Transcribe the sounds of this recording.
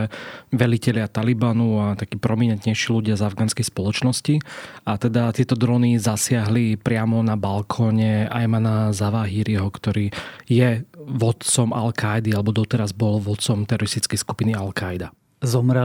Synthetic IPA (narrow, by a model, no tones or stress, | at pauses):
ɛʋɛlicɛlɪat̪alibanuat̪akiːpɾɔmiɲɛnt̪ɲɛjʃiːluɟɪazavɡaːnskɛjspɔlɔt͡ʃnɔsciat̪ɛd̪at̪ɪɛt̪ɔd̪ɾɔnizasɪaɦlipɾɪamɔnabalkʰɔːɲɛa̰jmanazaʋaːɦiɾiɦɔkt̪ɔɾiːjɛʋɔt̪t͡sɔma̰lkajd̪ialɛbɔd̪ɔt̪ɛɾazbɔlʋɔt̪t͡sɔmt̪ɛɾɔɾist̪it͡skɛjsku̥pinialkajd̪a | zɔmɾɛ